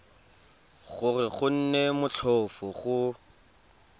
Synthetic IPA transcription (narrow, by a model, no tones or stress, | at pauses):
ɣʊrɪɣʊn̩nemʊt͡ɬʰɔfɔɣʊ